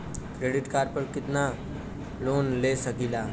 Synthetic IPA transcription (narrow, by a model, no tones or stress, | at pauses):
kɾeːɖɪʈkaːɾpəɾkɪt̪na | loːnlesəkilaː